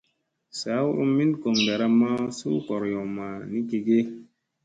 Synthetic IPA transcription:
sa˨˦u˦mːi˦nko˨ŋɡa˨ɾa˧ma˦sṵ˦kɔ˨ɾjɔ˨ma˨ni˦ke˨ɡe˦

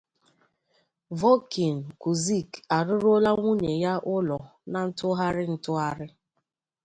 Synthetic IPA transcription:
vɔ˦ki˨n̩˨ku˨zi˦˨ka˨ɾʊ˦ɾo˦la˦ŋʷu˦ɲe˨ja˦ʔʊ˦lɔ˨na˨n̩˦tʊ˦ɦa˦ɾɪ˦n̩˦tʊ˦a˦ɾɪ˦

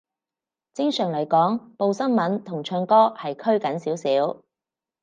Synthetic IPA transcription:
t͡sɪ˥ŋsœː˨˩ŋlɐ˨˩jkɔː˨˥ŋpo˨˧wsɐ˥nmɐ˨˥nt̪ʰʊ˨˩ŋt͡ʃʰœː˧ŋkɔː˥hɐ˨jkʰɵ˥ɥkɐ˨˧˥nsiː˨˥wsiː˨˥w

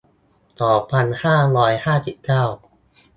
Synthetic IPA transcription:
t̪ɔː˨˩pʰa˧nhaː˥˩ɾɔː˦˥jhaː˥˩si˨˩p̚kaː˥˩w

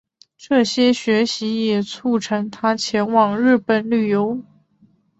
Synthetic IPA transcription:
ʈ͡ʂɤ˥˩ɕjɛ˥ɕɥɛ˧˥ɕi˧˥jɛ˨˩t͡sʰu˥˩ʈ͡ʂʰɤ˧˥ŋt̪ʰa˥t͡ɕʰjɛ˧˥nwɑ˨˩ŋɻɻ̩˥˧pə˨˩nly˥˩jo˥ʊ

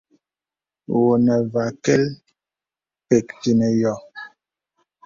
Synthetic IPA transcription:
wo˨nɛ˨va˨kɛ˦l | pɛ˨k̚ti˨nɛ˨jɔ˨

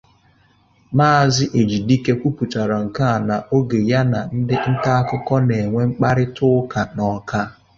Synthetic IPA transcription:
maː˦a˦˨zɪ˦ʔe˨d͡ʒi˨di˦ke˦kʷu˦pu˨ta˨ɾa˨ŋ̩˨ka˦a˨na˨ʔo˦ɡe˨ja˦na˨n̩˦dɪ˦n̩˦ka˦a˦kʊ˦kɔ˦ne˨ŋʷe˦ŋ͡m̩˦k͡pa˦ɾɪ˦tʊ˦ka˨nɔ˨ka˦

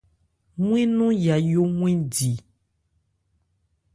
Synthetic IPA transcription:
mũ˦ẽ˦nũ˦ja˨jo˦mw̃ẽ˦di˨

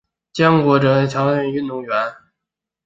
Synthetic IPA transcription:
t͡ɕjɑ˥ŋkwɔ˧˥ʈ͡ʂɤ˧˥t͡ɕʰjɑ˧˥ʊɕɛ˥˩ŋy˥˧nt̪u˥˩ŋɥɛ˧˥n

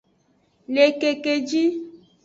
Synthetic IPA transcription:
le˨ke˨ke˨d͡ʒi˦

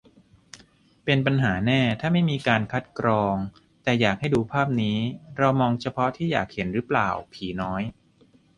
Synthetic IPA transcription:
pe˧npa˧nɦaː˩˦nɛː˥˩t̪ʰaː˥˩ma˥˩jmiː˧kaː˧nkʰa˦˥t̪̚kɾɔː˧ŋ | t̪ɛː˨˩jaː˨˩k̚ha˥˩jduː˧pʰaː˥˩p̚niː˦˥ɾa˧wmɔː˧ŋt͡ɕʰa˧pʰɔ˦˥t̪ʰiː˥˩ja̰ː˨˩k̚he˩˦nɾɯː˦˥pla̰ː˨˩wpʰiː˩˦nɔː˦˥j

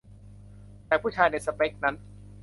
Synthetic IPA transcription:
t̪ɛː˨˩pʰuː˥˩t͡ɕʰaː˧jna˧jsa˧pe˦˥k̚na˦˥n

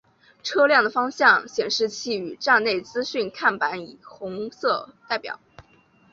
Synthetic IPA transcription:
ʈ͡ʂʰɤ˥ljɑ˥˩ŋd̪ə˩fɑ˥ŋɕjɑ˥˩ŋɕjɛ˨˩nʂɻ̩˥˧t͡ɕʰi˥˩y˨˩ʈ͡ʂa˥˧ŋne˥˩ɪt͡sɹ̩˥ɕy˥˧nkʰa˥˩npa˧˥nḭ˨˩xʊ˧˥ŋsɤ˥˧t̪a˥˩ɪpjɑ̰˨˩˦ʊ

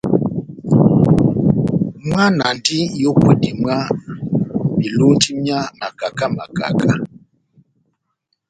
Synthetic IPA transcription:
mwa˦na˨ndi˦jo˦kwe˦di˨m˦a˦ | mi˨lu˦n˦ti˦mja˦ma˨ka˨ka˦ma̰˨ka̰˨ka˦

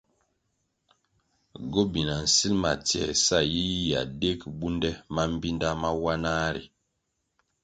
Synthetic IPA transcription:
ɡo˦bi˨na˨n̩˨si˦lma̰˨tjɛ̰˨sa˦˨ji˦ja̰˨de˦kbu˦ndɛ˦ma˦m̩˦bi˦nda˦ma˦wa˦na˦ɾḭ˨

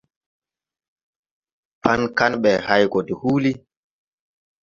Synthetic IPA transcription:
pʰa˦nka˦nɓɛ˨ha˦jkɔ˨di˨huː˦li˦

